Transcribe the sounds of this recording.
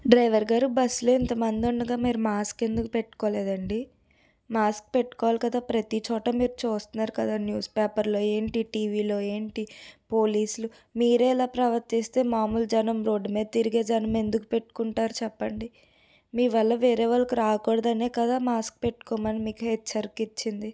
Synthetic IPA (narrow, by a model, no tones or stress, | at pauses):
ɖɾɐjʋɐɾɡaːɾubɐsloint̪ɐmɐnd̪ioɳɖɐɡaːmiːɾumaːske̞nd̪ukupeʈːu̥koːlɛːd̪ɐɳɖi | maːsk̚pe̞ʈːu̥kɔːʋaːlikɐd̪aːpɾɐt̪it͡ʃɔːʈɐmiːɾut͡ʃoːst̪unːaːɾukɐd̪aːnjuːspeːpɐɾlo̞ːe̞ːɳʈiʈiːʋiːlo̞ːe̞ːɳʈipo̞ːliːsulu | miːɾɛːlaːpɾɐʋɐɾt̪ist̪e̞ːmaːmuld͡ʒɐnɐmɾo̞ːɖːumeːd̪t̪iɾiɡeːd͡ʒɐnɐme̞nd̪uku̥peʈːu̥kuɳʈaːɾut͡ʃɛpːɐɳɖi | miːʋɐlːɐʋeːɾeːʋɐɾɐkuɾaːkkɔːɽɐd̪ɐneːkɐd̪aːmaːsk̚pe̞ʈːu̥kɔːmanimiːkuɦɛt͡ʃːɐɾkit͡ʃːind̪i